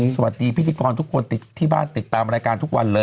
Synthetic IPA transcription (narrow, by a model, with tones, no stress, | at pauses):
sa˧wa˨˩t̪̚diː˧pʰi˦˥t̪ʰiː˧kɔː˧nt̪ʰu˦˥kʰːo˧nt̪i˨˩t̪ʰːiː˥˩ba̰ː˥˩nt̪i˨˩t̪ːaː˧mɾaː˧jkaː˧nt̪ʰu˦˥k̚wʔa̰˧nlɤː˧